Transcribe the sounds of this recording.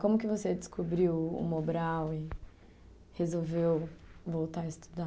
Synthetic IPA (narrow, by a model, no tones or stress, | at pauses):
kõmʊkɪvosed͡ʒɪ̥skʰobɾiwʊ̰mobɾawɪ | hezowvewvowt̪aɾɐɪist̪u̥d̪a